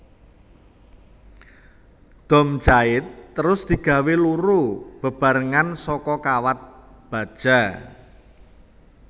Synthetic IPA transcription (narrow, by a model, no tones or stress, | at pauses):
d̪̥ɔ̤mt͡ʃaɪt̪ːəɾʊsd̪̥i̤ɡ̥ä̤weluɾub̥ə̤b̥a̤ɾəŋansɔkɔkawat̪̚ | b̥a̤d̥ʒ̥a̤